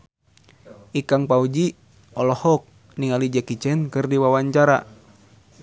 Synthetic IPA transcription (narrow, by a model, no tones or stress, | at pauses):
ikaŋpaud͡ʒi | ɔlɔhɔk̚ | niŋalid͡ʒakit͡ʃɛnkɨrdiwawaɲt͡ʃaɾa̰